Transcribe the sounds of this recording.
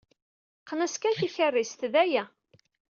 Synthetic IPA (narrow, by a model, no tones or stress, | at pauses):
qːnæskæθiçərːist̪ðæjæ